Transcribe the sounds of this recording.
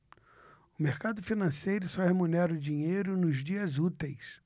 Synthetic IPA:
ʊmeɾkad̪ʊfinɐ̃sejɾʊsɔhemunɛɾɐʊd͡ʒiɲejɾʊnʊzd͡ʒiɐzut̪ejs

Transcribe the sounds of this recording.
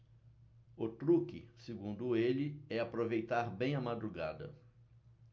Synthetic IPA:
ʊt̪ɾukɪ̰sɪɡũnd̪ʊelɪɛapɾovejt̪aɾbẽj̃ɐmad̪ɾuɡa̰d̪ɐ̰

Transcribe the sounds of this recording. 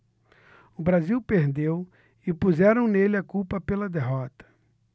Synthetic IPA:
ʊbɾaziwpeɾd̪ew | ɪpuzɛɾɐ̃w̃nelɪɐkuwpɐpelɐd̪eɦɔt̪ɐ̥

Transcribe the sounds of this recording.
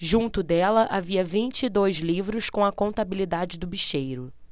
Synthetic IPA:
ʒũnt̪ʊd̪ɛlɐʔaviɐvĩnt͡ʃɪːd̪ojzlivɾʊskõw̃ɐkõnt̪abilid̪ad͡ʒɪd̪ʊbiʃejɾʊ

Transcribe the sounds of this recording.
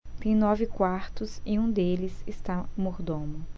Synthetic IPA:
t̪ẽj̃nɔvɪkwaɾt̪ʊsɪũd̪elɪsɪst̪amoɾd̪õmʊ

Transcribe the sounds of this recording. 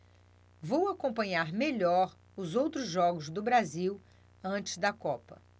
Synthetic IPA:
vowakõmpɐ̃ɲaɾmeʎɔɾ | ʊzowt̪ɾʊzʒɔɡʊzd̪ʊbɾaziw | ɐ̃t͡ʃɪ̥zd̪ɐkɔpɐ

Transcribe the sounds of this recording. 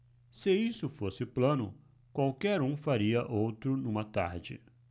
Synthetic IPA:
sɪisʊfosɪplɐ̃nʊ̰ | kwawkɛɾũfaɾiɐʔowt̪ɾʊnũmɐt̪a̰ɾd͡ʒɪ̰

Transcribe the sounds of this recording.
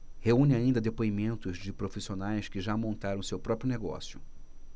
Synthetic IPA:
heũnɪaĩnd̪ɐd̪epoimẽnt̪ʊzd͡ʒɪpɾofisionajskɪʒamõnt̪aɾɐ̃w̃sewpɾɔpɾjʊneɡɔ̰sjʊ

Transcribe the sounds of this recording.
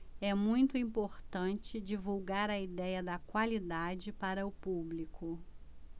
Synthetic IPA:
ɛmũj̃t̪ʊĩmpoɾt̪ɐ̃nt͡ʃɪd͡ʒivuwɡaɾɐid̪ɛjɐd̪ɐkwalid̪ad͡ʒɪpaɾɐʊpublikʰʊ

